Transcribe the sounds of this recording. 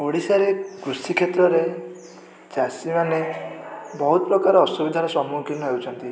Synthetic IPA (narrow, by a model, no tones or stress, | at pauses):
oɽisaɾekɾusikʰet̪ɾɔɾe | d͡ʒasimane | bɔɦut̪ɔpɾɔkaɾɔːsubid̪ʱaɾɔsɔmukinɔɦewt͡ʃʰɔnt̪i